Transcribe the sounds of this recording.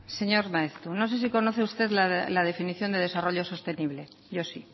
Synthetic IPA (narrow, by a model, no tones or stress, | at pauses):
se̞ɲo̞ɾmaest̪ɾuno̞se̞s̬iko̞noθeust̪e̞ðlalaðe̞finiθjo̞nd̪e̞ðe̞saro̞ʎo̞so̞st̪e̞niβ̞le̞ | ʝo̞si